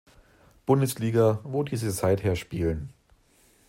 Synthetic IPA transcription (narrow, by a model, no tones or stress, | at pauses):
b̥ʊndəsliːɡɐvodiːzəzaɪtheːɐʃpiːlən